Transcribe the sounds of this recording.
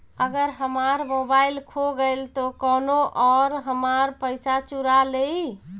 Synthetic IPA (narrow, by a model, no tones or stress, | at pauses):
əɡəɾɦəmaɾmobailkʰoɡəjlt̪okɔnoʔɔɾɦəmaɾpəjsat͡ʃuɾalei